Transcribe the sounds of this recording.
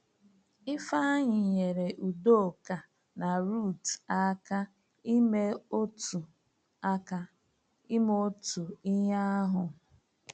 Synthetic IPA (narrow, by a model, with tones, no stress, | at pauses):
ɪ˦fa˦ɲɪ˨ɲe˨ɾe˨ʔu˨do˦˨ka˨ | na˨ɾu˦˨ta˦ka˦ | i˦me˦o˦tu˨ | a˦ka˦ | i˦mo˦tu˨i˦ɲa˦ɦʊ˨